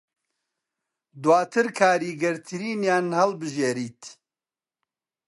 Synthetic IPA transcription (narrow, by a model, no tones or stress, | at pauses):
d̪waːt̪ʰɨɾkʰaːɾiːɡɐɾt̪ʰɨɾiːnjaːnhɐlbɨʒeːɾiːt̪